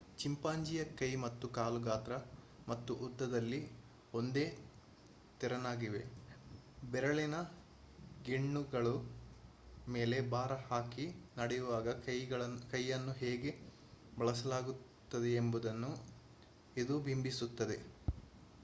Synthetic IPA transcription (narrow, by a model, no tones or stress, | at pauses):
t͡ʃimpaːɲd͡ʒijɐkɐjmɐt̪ːukaːluɡaːt̪ɾɐ | mɐt̪ːuʔud̪ːɐd̪ɐlːi | o̞nd̪e̞ː | t̪iɾɐnaːɡiʋe̞ | bɛɾɐɭinɐ | ɡeɳːuɡɐɭu | me̞ːle̞baːɾɐhaːkinɐɽejuʋaːɡɐɐjɡɐɭɐkɐjːɐnːuɦeːɡe̞ | bɐɭɐsɐlaːɡu | t̪ːɐd̪eːmbud̪ɐnːu | id̪ubʱimbisut̪ːɐd̪e̞